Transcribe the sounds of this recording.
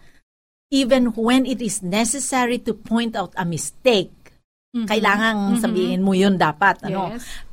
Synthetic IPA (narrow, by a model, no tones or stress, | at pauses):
ʔivɛnwɛnɪt̪ɪsnɛsɛsɛɹit̪upʰɔ̃jnt̪awt̪ɐmɪst̪ejk̚ | kɐʔɪlaːŋɐŋsɐbiːhɪnmojond̪aːpat̪̚ʔɐnno